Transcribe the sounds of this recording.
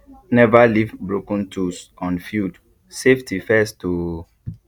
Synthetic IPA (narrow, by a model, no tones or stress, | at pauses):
nɛvalivbɹokə̃ntʰusɔ̃nfjud | seftʰifɛstʰo